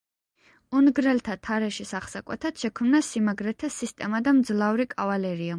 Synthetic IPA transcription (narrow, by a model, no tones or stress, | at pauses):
unɡɾɛlt̪ʰat̪ʰaɾɛʃisaχsakʼwɛ̰t̪ʰat̪ʃɛkʰmnasimaɡɾɛt̪ʰasist̪ʼɛmad̪amd̪zlˠavɾikʼavalɛɾia